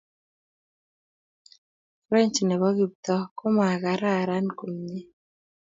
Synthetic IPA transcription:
ɾɛ˦ɲt͡ʃi˨nɛ˨βɔ˦ɡi˨p̚t̪ɔ˦ko˦ma˨ɣa˨˦ɾa˦˨ɾa˦nko˨ɲe˦

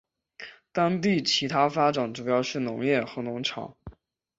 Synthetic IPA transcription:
t̪ɑ˥ŋt̪i˥˩t͡ɕʰi˧˥t̪ʰa˥fa˥ʈ͡ʂa˨˥nʈ͡ʂu˨˩jɑ˥˧ʊʂɻ̩˥˩nʊ̰˧˥ŋjɛ˥˩xɤ˧˥nʊ˧˥ŋʈ͡ʂʰɑ̰˨˩˦ŋ

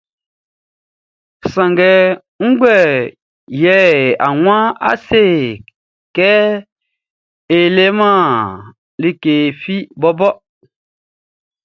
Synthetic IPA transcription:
sã˨ŋɡɛ˨ | ŋ̩˦ɡ͡bwɛ˦˨ | jɛ˦˨a̰˨wwã˦a̰˦se˦˨ | kɛ˦ | e˨le˦mã˦˨ | li˦ke˨fi˦bɔ˦bɔ˦

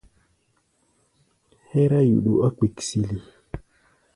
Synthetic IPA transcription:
he˦ɾa˦jṵ˨ɗu˨ʔa˦ki˨ksi˨li˨

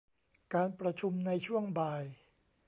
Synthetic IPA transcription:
kaː˧npɾa˧t͡ɕʰu˧mna˧jt͡ɕʰu˥˩əŋbaː˧j

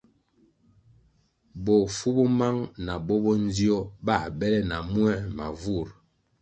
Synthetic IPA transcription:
bɔ˨fu˦bɔ˦ma˦ŋna˨bɔ˦bɔ˦n˦di˦ɔ˦ba˦˨bɛ˦lɛ˦na˨mu˦ɛ˦ma̰˨vu˦˨ɾ

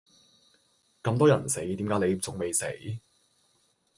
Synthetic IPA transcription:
kɐ˧mt̪ɔː˥jɐ˨˩nse˨˥jt̪iː˨˥mkaː˨˥jne˨˧jt͡sʊ˨ŋme˨jsḛ˨˥j

